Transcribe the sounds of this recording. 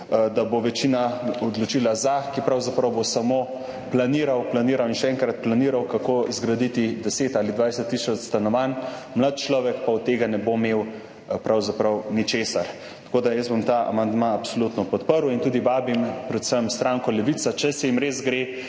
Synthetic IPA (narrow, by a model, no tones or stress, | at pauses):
d̪aboʋɛt͡ʃinaɔd̪lɔt͡ʃilazakipɾawzapɾɐwbosamo | planiːɾawplaniːɾawinʃɛɛŋkɾat̪̚planiːɾawkakozɡɾad̪it̪id̪ɛseːt̪aːlid̪ʋajsɛt̪ːisɔt͡s̪st̪anɔʋanmlat̪̚t͡ʃlɔːʋɛkpaut̪ːeːɡanɛbomew | pɾawzapɾɐwnit͡ʃeːsaɾ | t̪ɐ̥koːd̪ajəzbomt̪aa̰mand̪maːpsolut̪nɔpɔt̪pəɾwint̪ud̪iʋaːbimpɾɛt̪səmst̪ɾaːŋkɔlɛʋit̪sat͡ʃɛsɛjimɾezɡɾe